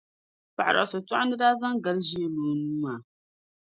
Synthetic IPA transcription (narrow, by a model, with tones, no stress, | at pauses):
pa˨ʔa˨ɾa̰˨so˨tɔ˦ʔʊ˦nɨ˦da˦za˦ŋɡa˨˦lʒi˦e˦loː˨nu˦ma˨